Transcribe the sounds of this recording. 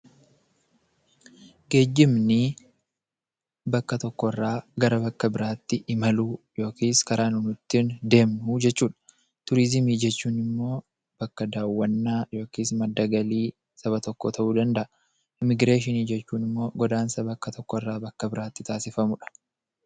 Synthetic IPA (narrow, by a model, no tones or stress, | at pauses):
ɡe̞ːd͡ʒːɪmnɪ | bɐkːɐt̪ɔkːɔɪrːaːɡɐɾɐbɐkːɐbɪɾaːt̪ːɪʔɪmɐluːjo̞ːkiːskɐɾaːnʊnʊt̪ːɪnd̪e̞ːmud͡ʒɛt͡ʃːuːᶑɐ̥ | t̪ʊɾɪzɪmiːd͡ʒɛt͡ʃːuːnɪmːo̞ː | b̥ɐkːɐd̪aːwːɐnːaːjo̞ːkiːsmɐd̪ːɐɡɐliː | sɐβɐt̪ɔkːoːt̪ʰɐʔuːd̪ɐnd̪ɐʔɐ | ʔɪmɪɡɾeːʃ̬ɪniːd͡ʒɛt͡ʃːuːnɪmːo̞ːɡɔd̪aːnsɐbɐkːɐt̪ʰɔkːɔɪrːaːbɐkːɐbɪɾaːt̪ːɪt̪ʰaːsɪfɐmʊᶑɐ̥